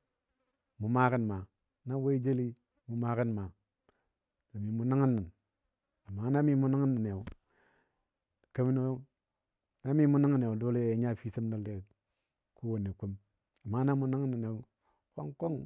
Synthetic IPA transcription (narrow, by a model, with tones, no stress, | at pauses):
mu˨ma˦ki˦nma˨ | na˦we˦i˦d͡ʒe˦li˦ | mu˨ma˦ki˦nma˨ | no˨mi˨mu˨na˦ŋi˦nːi˨n | a˨ma˦na˦mi˦mu˦na˦ŋi˦nːi˨ne˨u˨ | ka˦mi˦no˦ | na˦mi˦mu˦n˦ŋi˦˨ne˨u˨do˦le˦˨e˨˦ɲa˦˨fi˦si˦m˦da˦˨lde˨ | ku˦wo˨ne˨ku˦m | a˨mːa˦na˦mu˨na˦ŋ˦nːi˨ne˨ | ko̰˦ŋko˦ŋ